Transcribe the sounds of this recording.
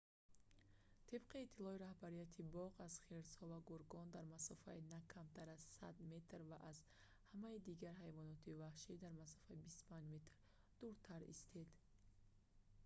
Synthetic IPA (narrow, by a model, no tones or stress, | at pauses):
t̪ʰib̥qʰiːt̪ʰːilɔiɾahbaɾijat̪ʰibɔʁaz̥χeɾshɔvaɡuɾɡɔnd̪aɾmasɔfa̰inakʰamt̪ʰaɾazsa̰d̪me̞t̪ɾvaʔaz | hamaid̪iɡaɾɦajvɔnɔt̪ʰivahʃid̪aɾmasɔ̥faibist̪u̥pʰãnd͡ʒme̞t̪ɾ | d̪̥uɾt̪ʰaɾḭst̪ʰed̪